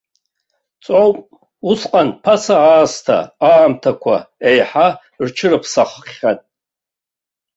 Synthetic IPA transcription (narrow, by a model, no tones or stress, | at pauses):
t͡sʼowpʼ | usqʼanpʰasaaːstʰa̰aːmtʰakʷʰa̰ejħa | rt͡ʃʰɨrɨpʰsaχχːʲatʼ